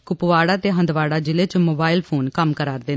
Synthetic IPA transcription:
kʊpʋaːɽaːt̪eːɦə̃nd̪ʋaːɽaːd͡ʒɪleːt͡ʃmoːbaːilpʰoːnkəmkəɾaːɾd̪eː

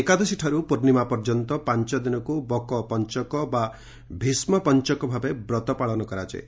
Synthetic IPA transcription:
ekad̪ɔsiʈʰaɾupuɾnimapɔɾd͡ʒɔnt̪ɔpant͡ʃɔd̪inɔkubɔkɔpɔnt͡ʃɔkɔba | bʱismɔpɔnt͡ʃɔkɔbʱabebɾɔt̪ɔpaɭɔnɔkɔɾat͡ʃḛ

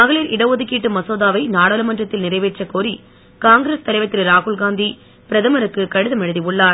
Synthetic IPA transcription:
mɐɣɐɭilʔɪɽɐʋoːðɯkːiːʈːɯmɐsoːðaːʋɐɪnaːɽɐːlɯmɐndrɐt̪ːɪlnɪrɐɪʋeːʈt͡ʃːɐkoːɾi | kaːŋɡɾeːst̪ɐlɐɪʋɐt̪ːɪɾɾaːɣʊɭɡaːnd̪i | pɪɾɐðɐmɐɾɯkːɯkɐɽɯðɐmɛɻɯðiʊɭːaːɾ

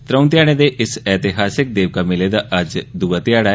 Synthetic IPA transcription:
t̪ɾə̃ʊ̃nt̪jaːɽ̃eːd̪eːʔɪsɛːt̪ɪɦaːsɪk̚d̪eːʋkaːmɪleːd̪aːʔəd͡ʒd̪uːaːt̪ɪjaːɽaː

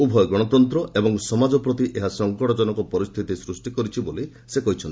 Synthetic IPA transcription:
ubʱɔjɔɡɔɽ̃ɔt̪ɔnt̪ɾɔebɔŋsɔmad͡ʒɔpɾɔt̪iʔeɦasɔŋkɔɽɔd͡ʒɔnɔkɔpɔɾist̪ʰit̪isɾusʈikɔɾit͡ʃʰiboli | sekɔɦit͡ʃʰɔni

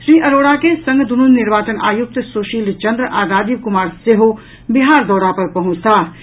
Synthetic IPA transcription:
ʃɾiːʔɐɾoːɽakesɐ̃ŋɡd̪ununːɪɾʋaːt͡ʃəna̰ːjuk̚t̪soːʃiːlt͡ʃɐnd̪ɾəʔaːɡ̪aːd̪ikʊmaːɾseɦo | biɦaːɾd̪ɔːɽapɐɾpɐɦʊ̃t͡ʃt̪ʰaː

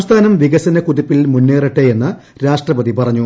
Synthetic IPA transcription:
st̪ʰaːnɐmʋiɡɐsɐnɐkuðipːilmunːeːriʈːeje̞nːɨ | ɾaːʂʈrɐbɐðipɐrɐɲːu

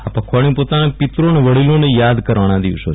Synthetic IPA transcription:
apəkʰʋaɳ̃jũpot̪anapɪt̪ɾoneʋəɽilonejad̪kəɾʋañãd̪ḭʋʃo

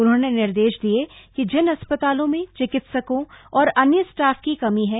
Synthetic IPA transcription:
ʊnɦõnenɪɾd̪eːʃd̪iekid͡ʒɪnɐspət̪aːlõmẽt͡ʃɪkɪt̪səkõɔːɾɐnjəsʈaːfkikɐmiɦɛ

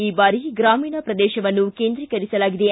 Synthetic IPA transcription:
iːbaːɾiɡɾaːmiːnɐpɾɐd̪ɛːʃɐʋɐnːukeːnd̪ɾikɐɾisɐlaːɡid̪e

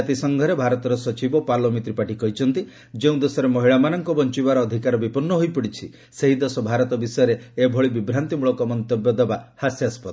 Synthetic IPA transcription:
at̪isɔŋɡʱɔɾebʱaɾɔt̪ɔɾɔsɔt͡ʃibɔpalɔmit̪ɾipaʈikɔɦit͡ʃʰɔnt̪i | d͡ʒeũd̪esɔɾemɔɦiɭamanɔŋkɔbɔnt͡ʃibaɾɔːd̪ʱikaɾɔbipɔnːɔɦojpɔɽit͡ʃʰi | seɦid̪esɔbʱaɾɔt̪ɔbisɔjɔɾeːbʱɔɭibibɾant̪imuɭɔkɔmɔnt̪objɔd̪ebahasjaspɔt̪

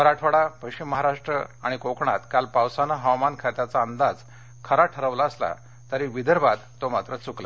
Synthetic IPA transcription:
ʋəɾaʈʰʋəɽapəjɕimːəɦaɾaʂʈɾə̰aɽ̃ikokɳat̪kalpawsanaɦəwmankʰaɾt̪at͡saənd̪ad͡z | kʰəɾaʈʰəɾəʋlaəsla̰ | t̪əɾiʋid̪ʱəɾbad̪t̪ːomat̪ɾət͡sukla

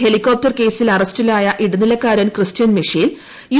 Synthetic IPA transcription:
helikʲːo̞ːp̚tɐrke̞ːsilɐrɐstilaːjɐʔiɽɐnilɐkːaːɾɐnkrɨstjɐnmiʂil | ju

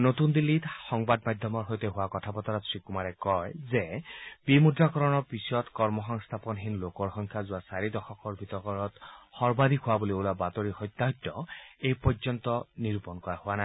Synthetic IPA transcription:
not̪und̪ilːit̪xɔŋbadmad̪ʱjɔmɔɹɦojteɦʊwakɔt̪ʰapɔt̪ɔɹɔtsʰɹikumaɹɛkɔjzɛbimudɹakɔɹɔnɔɹpisɔtkɔɹmɔxɔŋst̪ʰapɔnɦinlokɔɹxɔŋkʰjazʊwasaɹid̪ɔxɔkɔɹbʱit̪ɔɹkɔɹɔt̪xɔɹbad̪ʱikʰʊwabuliolabat̪oɹixɔjt̪ːaɦɔtːɔejpɔzɔnt̪ɔniɹupɔnkɔɹahʊana

